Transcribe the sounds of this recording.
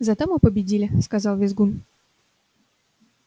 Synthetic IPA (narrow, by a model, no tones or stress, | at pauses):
zɐt̪omɨpəbʲɪdʲilʲɪskazɑlˠvʲɪzɡun